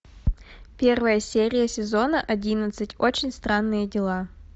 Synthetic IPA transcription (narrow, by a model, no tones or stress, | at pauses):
pʲe̞rvəjəsʲeɾʲɪjəsʲɪzo̞nəʔɐdʲinət̪sɨtʲot͡ɕɪnʲst̪ɾanːɨjədʲɪlˠa